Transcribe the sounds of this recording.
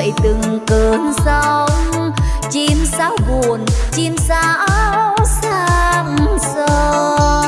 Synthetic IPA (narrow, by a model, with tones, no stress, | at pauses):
jt̪ɨ˨˩ŋkəː˨˩nsə˧wŋ͡m | t͡ɕi˧msaː˨˦wvu˨˩ənt͡ɕi˧msa˧˦˧wwsa˧ŋsɔ˧